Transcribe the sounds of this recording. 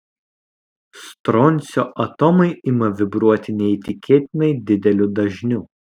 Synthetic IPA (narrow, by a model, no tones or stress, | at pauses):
st̪ɾɔnʲsʲoːʔɐt̪ɔmɐɪʔɪmɐʋʲɪbɾuɔt̪ʲɪnʲɛit̪ʲɪkʲeːt̪ʲɪnɐɪd̪ʲɪd̪ʲɛlʲʊd̪ɐʒʲnʲuː